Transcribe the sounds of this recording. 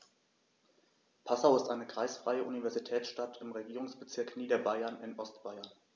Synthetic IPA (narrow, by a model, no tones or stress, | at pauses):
pʰasaʊɪstʔaɪnəɡʁ̥aɪsfʁ̥a̰ɪəʔunivɛɐzitʰɛːt͡sʃtatʰɪmʁeɡiːʁʊŋsb̥ət͡sɪɐkniːdɐbaɪɐnɪnʔɔstb̥aɪɐn